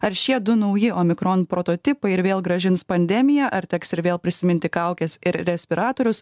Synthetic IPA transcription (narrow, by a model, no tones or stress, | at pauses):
ɐɾʃʲiɛd̪ʊnɐʊjɪoːmʲɪkɾoːnpɾoːt̪oːt̪ʲɪpɐɪɪɾʋʲeːlˠɡɾɐʒʲɪnspɐnʲd̪ʲɛmʲɪjɛːʔɐɾt̪ʲɛksɪɾʋʲeːlˠpʲɾʲɪsʲɪmʲɪnʲt̪ʲɪkɐʊkʲɛsɪɾɾʲɛsʲpʲɪɾɑːt̪oːɾʲʊs